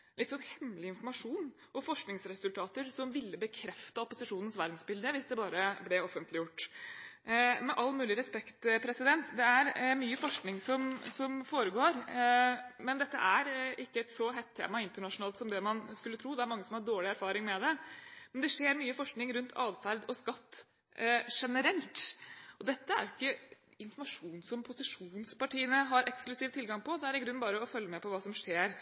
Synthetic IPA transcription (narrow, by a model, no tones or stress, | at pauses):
lɪt̪sɔnhɛmlɪɪnfɔɾmɑʂuːn | ʔɔfɔʂknɪŋsɾɛsʉlt̪ʰɑːt̪əɾsɔmʋɪlːəbəkʰɾɛft̪əɔpːʊsɪʂuːnən̩sʋæɾd̪n̩sbɪld̪əʋɪsd̪ɛbɑːɾəblɛɔfːənt̪lɪjʊʈː | mɛʔɑlːmʉːlɪɾɛspɛkt̪pʰɾɛsɪd̪ɛnt̪d̪ɛæɾmyːəfɔʂknɪŋsɔmsɔmfoːɾəɡoːɾ | mɛnd̪ɛt̪ːə̰ʔæɾɪkːəɛt̪sɔɦɛt̪ʰːḛːmɑɪnt̪əɳɑʂʊnɑːlt̪sɔmd̪ɛmɑnskʉlːət̪ʰɾuːd̪ɛæɾmɑŋːəsɔmhɑɖoːɭɪæɾfɑːɾɪŋmɛd̪ɛmɛnd̪ɛʂeːɾmyːəfɔʂknɪŋɾʉnt̪ʰɑ̰ːʋfæɾd̪ɔskɑt̪ː | ʂɛnəɾɛlt̪ʔɔd̪ɛt̪ːəæ̰ɾjʊɪkːə | ɪnfɔnmɑʂuːnsɔmpʰʊsɪʂuːnspɑʈiːənəɦɑɾʔɛksklʉsiːʋt̪ʰɪlɡɑŋpʰɔd̪ɛæɾɪɡɾʉnːbɑːɾəɔfœlːəmɛpʰɔʋɑːsɔmʂeːɾ